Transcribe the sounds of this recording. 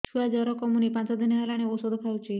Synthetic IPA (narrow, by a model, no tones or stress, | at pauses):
t͡ʃʰuad͡ʒɔɾɔkɔmunipãnt͡ʃɔd̪inɦalaɽ̃eosod̪ɔpʰaut͡ʃʰi